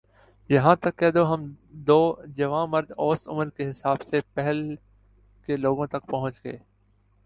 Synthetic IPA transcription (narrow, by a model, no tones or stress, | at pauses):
jɐɦãːt̪ɐkːɛːd̪oɦɐm | d̪oːd͡ʒɐʋãːmɐɾd̪ɔːsʊ̰məɾkeɦɪsaːbsepɛɦɛl | keloːɡõt̪ɐkpɐɦʊ̃t͡ʃɡḛː